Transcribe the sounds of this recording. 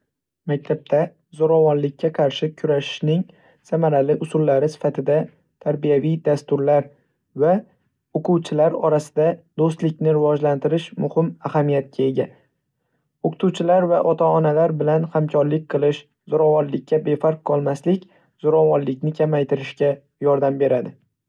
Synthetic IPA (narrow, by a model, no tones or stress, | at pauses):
mak̚ʲt̪ʰap̚t̪ʰa | zoɾɒvɒnlɪkʲːaqʰɑɾʃɪkʲʰʊɾaʃɪ̥ʃnɪŋ | samaɾalɪʔʊsʊlˠːaɾɪsɪ̥fat̪ʰɪd̪a | t̪ʰaɾbijavijd̪ast̪ʊɾlaɾ | va | oqʰʊwt͡ʃʰɪlaɾɒɾasɪd̪ad̪ost̪lɪkʲnɪɾɪvɒd͡ʒlant̪ɪɾɪʃmʊhɪmahamijat̪̚kʲʰae̞ɡʲa | oqʰɨ̥t̪ʰuwt͡ʃʰɪlaɾvaʔɒt̪ʰaɒnalaɾbɪlanhamkʲʰɒɾlɪk̚ʲqʰɨlˠɪʃ | z̥oɾɒvɒnlɪk̚ʲʰːabe̞faɾq̚ʰːɒlˠmaslɪkʲ | z̥oɾɒvɒnlɪkʲnɪkʲʰamajt̪ʰɪɾɪʃkʲa | jɒɾd̪ambe̞ɾad̪ɪ